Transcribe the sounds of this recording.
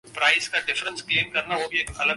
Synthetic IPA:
pɾaːɪskaɖɪfɾə̃nskleːmkɐɾnaɦoːbiekɐlə

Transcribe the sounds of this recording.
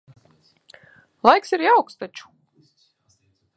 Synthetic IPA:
lˠajksiɾjawkst̪at͡ʃu̥

